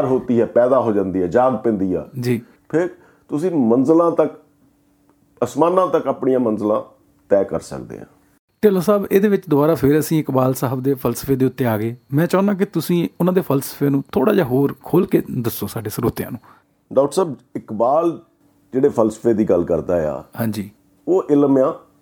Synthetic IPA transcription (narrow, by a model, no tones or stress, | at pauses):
ɾɦoːt̪iːɦɛːpɛːd̪aːɦoːd͡ʒãːnd̪iːɦɛːd͡ʒaːɡpɛ̃nd̪iːɛ̰ːd͡ʒiː | pʰɪɾ | t̪ʊsĩːmənzəlãːt̪ək | əsmaːnãːt̪əkaːpɳijãːmənzlãː | t̪ɛːkə̰ɾsə̰kd̪ḛːɦã̰ː | ʈeːloːsaːbeːd̪eːʋɪt͡ʃd̪ʊbaːɾaːpʰɪɾəsĩːɪkbaːlsəɦəbd̪eːpʰəlsə̥fʰeːd̪eːʊt̪ːeːaːɡeːmɛ̃ːt͡ʃaːnd̪ãːk̬ɪt̪ʊsĩːʊnãːd̪eːpʰəlsə̥pʰeːnũːt̪ʰoːɽaːd͡ʒaːɦoːɾkʰoːlkeːd̪əsːoːsaːɖeːsəɾoːt̪jã̰ːnũː | ɖaːʈəɾsaːbɪkbaːl | d͡ʒeːɽeːpʰəlsə̥pʰeːd̪iːɡəlkəɾd̪a̰ːḛa̰ːhãːɲd͡ʒiː | oːʔɪlmjãː